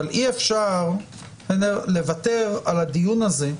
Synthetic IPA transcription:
alʔiefʃaʁ | enele̞vat̪e̞ʁalad̪ijunaze̞

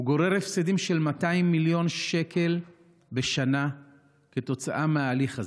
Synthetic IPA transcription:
uɡo̞ʁeʁefsedimʃe̞lmataimːiljo̞nʃe̞kʰe̞l | be̞ʃana | ke̞to̞t͡saʔameaːliχaz

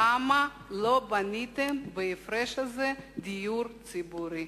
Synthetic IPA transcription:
ama | lobanʲit̪emveefɾɛʃazɛd̪ijuɾt͡sibuɾi

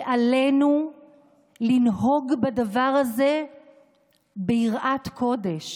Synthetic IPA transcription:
ʔale̞nu | linɦo̞ɡbadavaʁaze̞ | beiʁʔatkʰo̞de̞ʃ

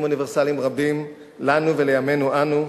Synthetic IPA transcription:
muniveʁsalimʁabim | lanuve̞lejame̞nuʔanu

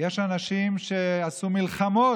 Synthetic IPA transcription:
jeʃanaʃimʃeasumilχamo

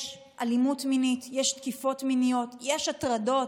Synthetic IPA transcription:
ʃ | ʔalimutminitjeʃtkifo̞tminijo̞tjeʃatʁado̞t

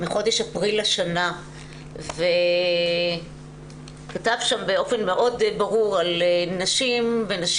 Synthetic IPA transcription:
miχo̞deʃapʁilaʃana | ve | katavʃambeo̞fe̞nmeʔo̞dbaʁuʁalnaʃimve̞naʃ

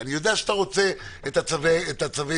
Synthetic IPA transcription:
anijod̪eaʃeat̪aʁo̞t͡se | et̪at͡saveet̪at͡save

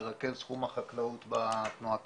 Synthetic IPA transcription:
ʁake̞zsχumhaχaklaut̪bat̪nuak

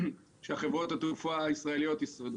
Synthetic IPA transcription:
ʃeaχe̞vʁo̞t̪at̪ufaaisʁae̞lijo̞t̪isʁod̪

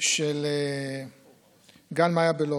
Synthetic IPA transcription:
ʃele | ɡanmajabelo

